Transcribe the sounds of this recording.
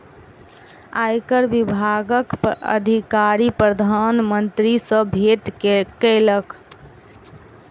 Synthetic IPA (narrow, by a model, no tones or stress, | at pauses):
a̰jkəɾbibʱaɡəkpə̰d̪ʱikaɾipɾəd̪ʱanmənt̪ɾisə̃bʱeʈkələk